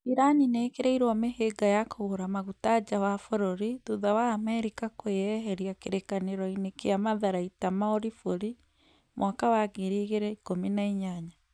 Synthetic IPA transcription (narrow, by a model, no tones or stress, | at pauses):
iɾanineːkeɾɛiɾwɔmeheɡajakoɣoɾamaɣutad͡ʒawafɔɾoɾiðuðawaːmɛɾikakoeɛɦɛɾiakeɾekaneɾɔinekeamaðaɾaitamaoɾifoɾi | mwʔakawaɡeɾiːɣeɾɛikominaiɲaɲa